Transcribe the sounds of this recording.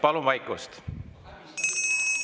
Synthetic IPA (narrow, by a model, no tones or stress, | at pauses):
pɑluvɑjkust̪